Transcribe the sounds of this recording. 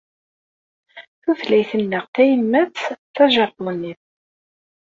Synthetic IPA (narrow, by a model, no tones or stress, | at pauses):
θuθlæjθənːəʁθæjəlmæt͡st͡sːθæʒæθˤənːiθ